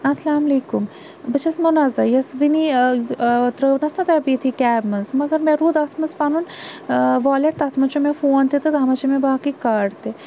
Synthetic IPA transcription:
ɐsɐlaːmɐleːkum | bɐt͡ʃɐsmɐnazɐjɐsʋini | t̪ɾəːnɐst̪ʰɐt̪abiːt̪ʰikʲɛːbmɐnzmɐɡɐɾmẽɾuːd̪at̪ʰmɐzpaːnun | ʋaːleʈ̚t̪aːt̪ʰmɐt͡ʃomẽfoːnt̪it̪ɨd̪ʱaːmɐt͡ʃimẽbaːkikaːɖt̪e

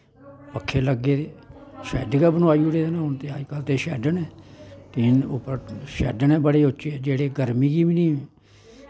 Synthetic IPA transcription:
pəkʰːeːləɡːeːt̪eːʃɛ̰ːɖkɛːbənaːiːʊɽeːd̪enãːɦʊnt̪eːəɾkəlt̪eːʃɛ̰ːɖənɛ̃ːt̪eɪnʊ̰pːəɾʃɛ̰ːɖənɛ̃ːbəɽeːʊt͡ʃːeːɛːd͡ʒeːɽeːɡəɾmiːɡiːbinĩː

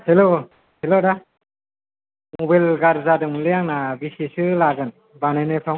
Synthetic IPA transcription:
helo | heloda | mɔbajlɡaɾzadɯŋlɯjaŋnabisisɯlaɡɯn | banenɯpʰaw

